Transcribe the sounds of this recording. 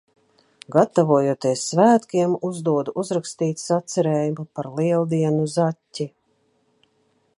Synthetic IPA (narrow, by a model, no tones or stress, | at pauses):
ɡat̪avuɔjut̪iɛsːvæːt̪kʲiɛmuzd̪uɔd̪uʔuzɾakst̪iːt̪sat̪sɛɾeːjumupaɾliɛlˠd̪iɛnuzatʲːi